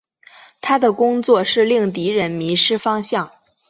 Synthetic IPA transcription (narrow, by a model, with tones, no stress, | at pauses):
t̪ʰa˥d̪ə˨kʊ˥ŋt͡swɔ˥˧ʂɻ̩˥˧li˥˩ŋt̪i˧˥ɻə˧˥nmi˧˥ʂɻ̩˥fɑ˥ŋɕjɑ˥˩ŋ